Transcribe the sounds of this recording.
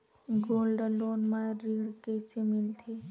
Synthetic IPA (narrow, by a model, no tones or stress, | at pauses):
ɡoːlɖlonmaɾiɽket͡ʃemɪlt̪ʰi